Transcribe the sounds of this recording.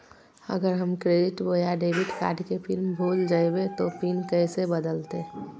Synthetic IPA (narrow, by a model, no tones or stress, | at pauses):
ə̰ɡəɾɦəmkɾeːɖɪʈboːjaɖeːbiʈka̰ːɖkepʰɪlmbʱoːld͡ʒaːebet̪opinkəɪsebəd̪əlt̪e